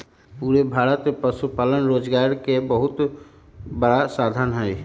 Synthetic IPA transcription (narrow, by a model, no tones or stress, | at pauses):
puːɾebʱaːɾət̪epəsupaːlənɾoːd͡ʒɡaːɾkebəɦʊt̪ | bəɽasaːd̪ʱənɦɛj